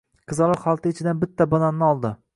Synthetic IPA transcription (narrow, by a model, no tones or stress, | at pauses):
qʰɨzɑlˠɑχɒlˠt̪ʰɪɪt͡ʃʰɪd̪anbɪt̪ʰːabɒnanːɪɒlˠd̪ɪ